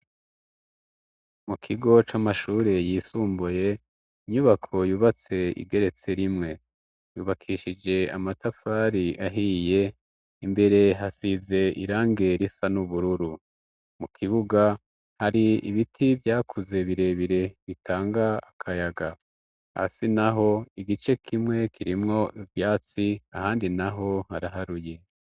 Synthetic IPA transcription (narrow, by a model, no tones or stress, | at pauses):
mukʰiɡo̞t͡ʃamaʃuːɾe̞jiːsuːmbuje̞ | iɲuβakʰo̞juːβat͡se̞ḭɡe̞ɾe̞t͡se̞ɾimŋe̞ | juːβakʰiʃid͡ʒe̞a̰matafaːɾiʔaɦije̞ | imbe̞ɾe̞ɦasize̞ḭɾaːŋɡe̞ɾisanuβuɾuɾu | mukʰiβuɡa | haɾiiβitʰibjaːkʰuze̞βiɾe̞βiɾe̞βitʰaːŋɡaːkʰajaɡa | ha̰sinaɦo̞iɡit͡ʃe̞kʰimŋe̞kʰiɾimŋo̞ʔivjaːt͡siahaːndinaɦo̞haɾaɦaɾuje̞